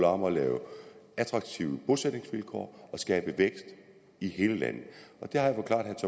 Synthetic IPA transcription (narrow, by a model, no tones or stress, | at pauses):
lɑ̈mɐɒlɛːʊæd̥ʁɑ̈ɡ̥̚t͡sʰiʊəb̥o̝sed̥ne̝ŋsʋilkʰɒ̰ːɒ̽sɡ̥ɛːb̥əʋeɡ̥sd̥ | ihe̝ːləlæ̰n̰ð̩ˠɒ̽d̥e̝hɑ̈jafɒ̽kʰlɑ̈d̥hæɐt͡sʰɒ̽